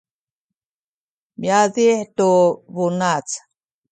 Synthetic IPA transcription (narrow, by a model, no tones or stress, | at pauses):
mjaðiħt̪uβunat͡s